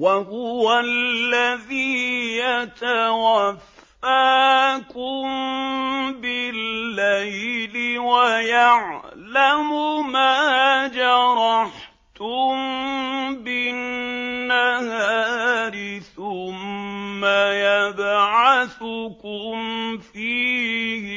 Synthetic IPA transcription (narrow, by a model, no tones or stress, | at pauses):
waɦʊwalːaðiːjat̪awafː | aːkʊm | bɪlːajlɪwajaʕlamʊmaːd͡ʒɑɾˤɑħ | t̪ʊm | bɪnnːahaːɾɪθʊmːajabʕaθʊkʊmmfiːh